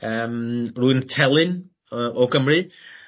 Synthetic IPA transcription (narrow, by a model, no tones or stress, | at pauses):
əːmruɪntʰɛlˠɪn | əʔoɡəmrɨ